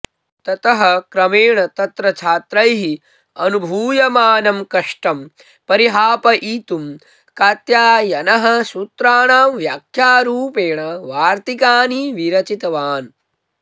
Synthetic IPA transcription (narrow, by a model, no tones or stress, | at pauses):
t̪ɐt̪ɐɦɐ̆kɾɐmeːɳɐt̪ɐt̪ɾɐt͡ʃʰaːt̪ɾɐjɦi | ɐnubʱuːjɐmaːnɐmkɐʂʈɐm | pɐɾiɦaːpɐʔiːt̪um | kaːt̪jaːjɐnɐɦɐ̆sut̪ɾaːɳaːmʋjaːkʰjaːɾuːpeːɳɐʋaːɾt̪ikaːniʋiɾɐt͡ʃit̪ɐʋaːn